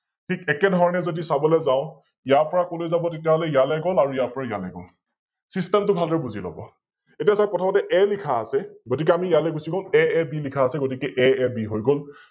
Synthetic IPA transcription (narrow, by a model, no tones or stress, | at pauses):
tʰikɛkɛdʱɔɹɔnɛzodisabɔlɛzaʊ̃ | ijaɹpɔɹakolojzabɔtetijaɦɔlɛjalɛɡolaɹuijaɹpɔɹaja̰lɛɡɔ̰l | sistɛmtʊbʱalɔɹbuzilɔ̰bɔ̰ | etiasakɔtʰabɔtɛʔɛlikʰaːsɛɡot̬ik̬ɛamijalɛɡusiɡolɛɛbilikʰaːsɛɡot̬ikɛʔɛɛbiɦojɡol